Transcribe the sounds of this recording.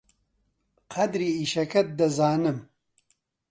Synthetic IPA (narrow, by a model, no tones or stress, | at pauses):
qʰɐd̪ɾiːiːʃɐkɐt̪̚d̪ɐzaːnɨm